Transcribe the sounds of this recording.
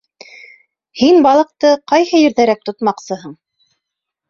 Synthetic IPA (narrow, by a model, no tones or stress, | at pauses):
hinbɑlˠɤ̆q̚t̪ɤqɑjhɤjɘ̆ɾðæɾæk̚t̪ŏt̪mɑqsɤɦɤɴ